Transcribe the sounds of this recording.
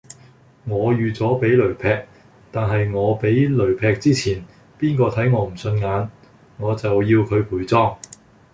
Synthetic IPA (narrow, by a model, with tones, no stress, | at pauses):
ŋɔː˨˧jyː˨t͡sɔː˨˥pe˨˥jlɵ˨˩ɥpʰɛː˧k̚ | t̪aː˨nɦɐ˨jŋɔː˨˧pe˨˥jlɵ˨˩ɥpʰɛː˧k̚t͡siː˥t͡sʰiː˨˩n | piː˥nkɔː˧t̪ʰɐ˨˥jŋɔː˨˧m̩˨˩sɵ˧nŋaː˨˧n | ŋɔː˨˧t͡sɐ˨wjiː˧wkʰɵ˨˧ɥpʰuː˨˩jt͡sɔː˥ŋ